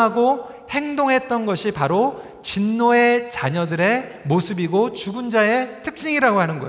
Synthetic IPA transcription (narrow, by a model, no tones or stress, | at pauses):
aɡo | he̞ŋdoŋɦe̞t̚t͈ʌnɡʌɕʰipaɾo | t͡ɕinːoe̞t͡ɕaɲʌdɯɾe̞ | mosʰɯbiɡot͡ɕuɡund͡ʑae̞tʰɯk̚t͡ɕ͈iŋiɾaɡoɦanɯnɡʌ̰